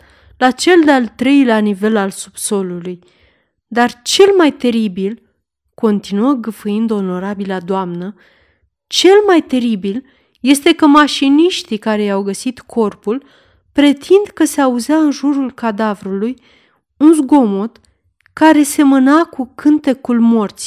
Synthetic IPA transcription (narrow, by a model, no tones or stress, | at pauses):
lat͡ʃe̞ld̪ealt̪ɾe̞jleanive̞lalsubso̞luluj | d̪art͡ʃe̞lmajt̪e̞ɾibil | ko̞nt̪inuəɡɨfɨjind̪o̞no̞ɾabilad̪oamnə | t͡ʃe̞lmajt̪e̞ɾibil | je̞st̪e̞kəmaʃiniʃt̪ikaɾe̞jawɡəsit̪kʰo̞rpul | pɾe̞t̪ʰind̪kəse̞auzeaɨnʒuɾulkad̪avɾuluj | unzɡo̞mo̞t̪ | kaɾe̞se̞mənakukʰɨnt̪e̞kulmo̞rt̪s